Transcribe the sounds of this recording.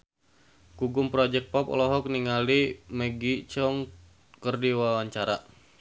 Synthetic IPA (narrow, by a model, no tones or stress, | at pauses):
kuɡʊmpɾɔd͡ʒɛk̚t̚pɔpɔ̰lɔɦɔk̚niŋalimɛɡit͡ʃɔŋ | kərdiwawaɲt͡ʃaɾa̰